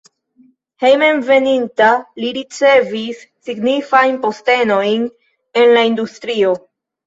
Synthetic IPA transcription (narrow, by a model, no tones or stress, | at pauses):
he̞jme̞nve̞nintaliɾit͡se̞visːiɡnifajnpo̞ste̞no̞jn | e̞nlaindustɾio̞